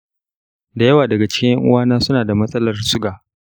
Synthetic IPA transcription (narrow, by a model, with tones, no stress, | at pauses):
da˨jɐ˦waː˨dɐ˨ɡa˨t͡ʃɪ̥˦kʲɪ˦jɐ˦ŋʔʊ̰˦waː˦naː˦sʊ˦naː˨da˨mɐ˦sʼɐ˦lɐ˨rsʊ˦ɡaː˨